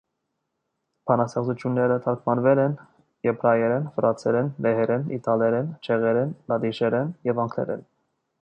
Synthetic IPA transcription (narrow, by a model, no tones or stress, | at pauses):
pʰɑnɑsɛʁzut͡ʃʰjunːɛɾət̪ʰɑɾkʰmɑnvɛlɛn | jɛpʰɾɑjɛɾɛnfəɾɑt͡sʰɛɾɛnmɛɦɛɾɛnḭt̪ʰɑlɛɾɛnt͡ʃʰɛʁɛɾɛnlɑd̪iʃɛɾɛnjɛvɑŋkʰlɛ̰ɾɛ̰n